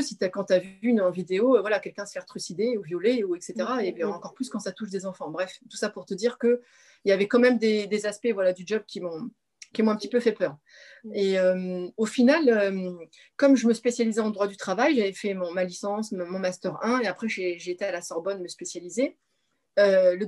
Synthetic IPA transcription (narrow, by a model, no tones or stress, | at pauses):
sit̪yakɑ̃t̪yavynɑ̃vid̪eoøvwalakʲɛlkʲɛ̃sə̥fɛʁt̪χysid̪euvjɔleuɛkset̪eʁaebɑ̃kɔʁplyskɑ̃sat̪uʃd̪ezɑ̃fɑ̃bʁɛft̪u̥sapuʁt̪əd̪iʁkə | iljavɛkɑ̃mɛmd̪ed̪ezaspɛvwalad̪yd͡ʒɔb̚kʲimɔ̃ | kʲimɔ̃ɛ̃pət̪ipøfɛpœːʁ | eømofinaløm | kɔmʒəməspesjalizɛɑ̃d̪ʁwad̪yt̪χavajʒavɛfɛmɔ̃malisɑ̃smmɔ̃mast̪œʁɛ̃eapχɛʒeʒet̪ealasɔʁbɔnməspesjalize | ølə